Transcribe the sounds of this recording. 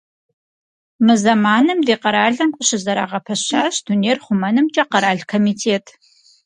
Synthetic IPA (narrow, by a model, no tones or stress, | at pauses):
mɨzɐmaːnɨmdeːqɐɾaːɮɐmkʷʼʊɕɪzɐɾa̰ːʁɐpʰɐɕaːɕduneːrχʷʊmɐnɨmt͡ʃʼɐqɐɾaːɮkʰomiːtʰeːtʰ